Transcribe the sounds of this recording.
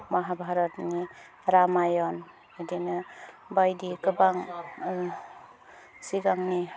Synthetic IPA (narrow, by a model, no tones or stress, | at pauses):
maɦabʱaɾɔt̚ni | ɾamajɔn | edinɯ | bajdikɯbaŋ | siɡaŋni